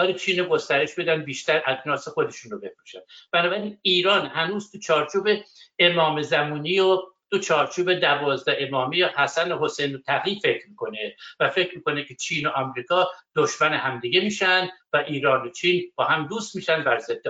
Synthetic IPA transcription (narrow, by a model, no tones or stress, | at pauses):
ɒːlet͡ʃʰiːnoɡo̞st̪æɾe̞ʃbe̞d̪æn̚biːʃt̪æɾʔæknɒːsexod̪e̞ʃunrobe̞fɾuʃæn̥bænɒːbæɾiːniːɾɒːnhænuːzt̪ʰut͡ʃʰɒːɾt͡ʃʰuːbeemɒːmezæmuːniːjot̪ut͡ʃʰɒːɾt͡ʃʰuːbed̪ævɒːzd̪æʔe̞mɒːmijehæsænoɦosejnot̪ʰæɣiːfe̞kʰɾmiːko̞nevæfe̞cɾmiːko̞nekʰe̞t͡ʃʰiːnoʔɒmɾiːkʰɒːd̪̥oʃmæneɦæmd̪iɡemiːʃænd̪væʔiːɾɒːnot͡ʃʰiːnb̥ɒːhæmd̪uːst̪miːʃænd̪bæɾzed̪̥ːe